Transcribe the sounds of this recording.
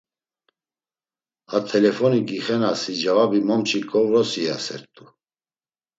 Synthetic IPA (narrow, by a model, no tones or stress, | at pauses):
at̪ʰɛlɛfɔniɡiχɛnasid͡ʒavabimɔmt͡ʃʰikʼɔvɾɔsiasɛ̰ɾt̪ʼu